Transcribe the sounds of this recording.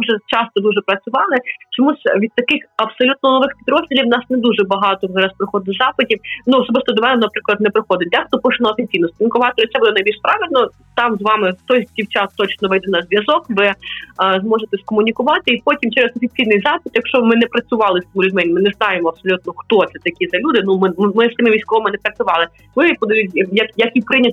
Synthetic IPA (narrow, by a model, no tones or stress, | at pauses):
ʒɛt͡ʃɑst̪ɔd̪uʒɛpɾɐt͡sʲʊʋɑlˠɪt͡ʃɔmuʐʋʲid̪̚t̪ɐkɪxɐb̥sɔlʲut̪̚nɔnɔʋɪxpʲid̪ɾɔzʲdʲilʲiwnɑsnɛd̪uʒɛbɐɦɑt̪ɔzɑɾɐspɾɪxɔd̪ɪzɑpɪtʲiwnuɔsɔbɪst̪ɔd̪ʲɔʋɛnɛnɐpɾɪklˠɐt̪̚nɛpɾɪxɔd̪ɪd̪ɛxt̪ɔpɔʃnɐɔfʲinʲt͡sʲijnɔskɔmʊnʲɪkʊʋɑt̪ɪlʲɐsɛbud̪ɛnɐjbʲilʃpɾɑʋʲilʲnɔ | t̪ɑmzʋɑmɪt̪ɔjdʲiwt͡ʃɑt̪t̪ɔt͡ʃnɔʋɛjd̪ɛnɐzʋʲjɐzɔkʋɪzmɔʒet̪ɛskɔmʊnʲikʊʋɑt̪ɪipɔtʲimt͡ʃɛɾɛzɔfʲit͡sʲijnɪjzɑpɪt̪jɐkʃt͡ʃɔmɪnɛpɾɐt͡sʲʊʋɑlˠɪst̪ɔmʊlʲʉdʲmɛnʲmɪnɛznɑjemɔɐpsɔlʲut̪̚nɔxt̪ɔt̪sɛt̪ɐkʲizɐlʲud̪ɪnumɪmɪst̪ɪmɪʋʲijsʲkɔʋɔmɪnɛpɾɐt͡sʲʊʋɑlˠɪ | ʋɪpɔd̪ɐjutʲjɐkjɐkɪjpɾɪnʲɐt̪ʲ